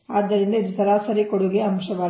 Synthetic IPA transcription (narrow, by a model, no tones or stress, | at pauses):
aːd̪ːɐɾind̪ɐid̪ut̪ɐɾaːsɐɾikoɽuɡeɐmʃɐʋaː